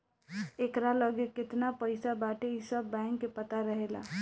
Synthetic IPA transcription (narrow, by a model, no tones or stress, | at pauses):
ekɾaləɡekɪt̪napəjsabaʈeisəbːaɪŋkːepət̪aɾəɦela̰